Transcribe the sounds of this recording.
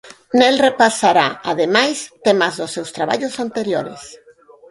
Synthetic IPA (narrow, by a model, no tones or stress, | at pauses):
nelrepasaɾaaðemajst̪emazðosewst̪ɾaβa̰ʎosant̪eɾjo̰ɾḛs